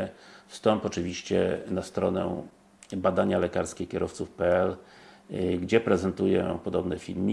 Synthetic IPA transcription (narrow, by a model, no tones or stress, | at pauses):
fst̪ɔmpɔt͡ʂɘvʲiɕt͡ɕɛ̰nast̪ɾɔnɛ̰ | bad̪aɲalɛkaɾskʲɛkʲɛɾɔft̪sufpɛɛl | ɡd͡ʑɛpɾɛzɛnt̪ujɛ̰pɔd̪ɔbnɛfʲilmʲi